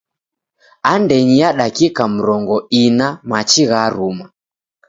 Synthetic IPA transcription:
andɛɲijaɗakikam̩ɾɔŋɡɔinamat͡ʃiɣaɾuma

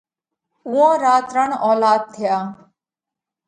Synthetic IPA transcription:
uõːɾaːt̪ɾəɳɔːlaːd̪̚t̪ʰːɪjaː

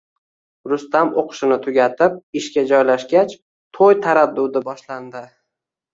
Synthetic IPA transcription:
ɾʊst̪amoqʰʃɪnɪt̪ʰʊɡʲat̪ʰɪp̚ɪʃkʲad͡ʒɒjlaʃɡʲat͡ʃ | t̪ʰojt̪ʰaɾad̪ːʊd̪ɪbɒʃland̪ɪ

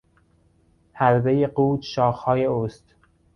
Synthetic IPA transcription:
hæɾbejeɢuːt̪ʃɒːxhɒːje̞oːst̪

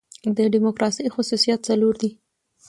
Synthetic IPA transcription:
d̪əɖimokɾɑsəjxʊsusijat̪̚t͡saloɾd̪i

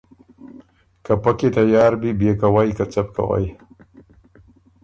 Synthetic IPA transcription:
kapaket̪ajaːɾbibekawajkat͡sap̚ka̰wa̰j

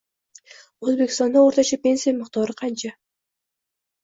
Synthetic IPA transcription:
wɵzbekʲɪst̪ɑnd̪ɑwo̞ɾt̪ɑt͡ʃɑpʲe̞nʲsijaməqt̪ɑɾəqʰɑnt͡ʃɑ

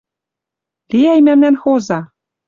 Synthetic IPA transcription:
liæjmæmnænxozɑ

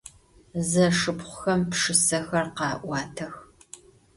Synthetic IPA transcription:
zɐʂɨpχʷʊxɐmpʂɨsɐxɐrqɑːʔʷɑːtʰɐx

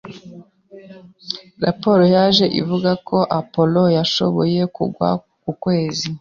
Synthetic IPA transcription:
ɾapo̞ɾojaʒe̞ʔḭvuɡakʰo̞ʔapo̞lo̞jaʃo̞̰βo̞je̞kṵɡwa̰ | kukwe̞ːzi

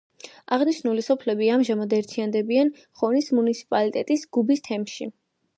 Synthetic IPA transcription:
aʁniʃnulisɔpʰlɛbiamʒamad̪ɛɾt̪ʰiand̪ɛbian | χɔnismunit̪sʰi̥pʼalit̪ʼɛt̪ʼisɡ̥ubist̪ʰɛmʃi

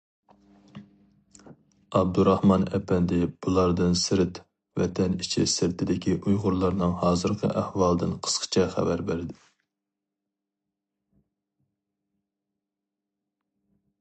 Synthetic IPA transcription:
ɑb̚d̪uɾɑhmɑnɛpɛnd̪ɪb̥ulˠɑɾd̪ɨnsɪɾɪt̪ | vɛ̰t̪ʰɛnit͡ʃʰisɪɾt̪ʰɪd̪ɪkʲʰiʔujʁʊɾlˠɑɾnɨŋhɑːzɨɾqʰə̰ʔæhwɑlˠɨd̪ɨnqʰə̥sqʰə̥t͡ʃʰɛχæ̰væɾbɪɾɪd̪ɪ

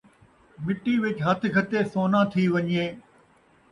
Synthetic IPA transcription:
mɪʈːiʋɪt͡ɕɦɐt̪ʰɪkʰɐt̪esoːnãːt̪ʰiʋɐɲieː

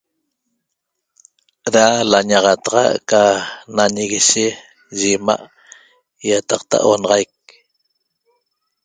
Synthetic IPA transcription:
ɾalaɲɑʁɑt̪ɑʁɑ̰ʔkanaɲeɣiʃe | ʒema̰ʔ | jat̪ɑq̚t̪a̰ʔonɑʁɑjk̚

